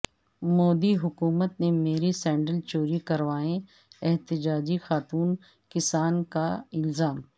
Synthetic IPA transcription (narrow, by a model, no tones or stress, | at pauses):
moːd̪iɦʊkuːmət̪nemeːɾisɛ̃ːɳɖəlt͡ʃoːɾikɐɾʋaːẽ | ɛɦt̪ɪd͡ʒaːd͡ʒixaːt̪uːn | kɪsaːnkaɪlzaːm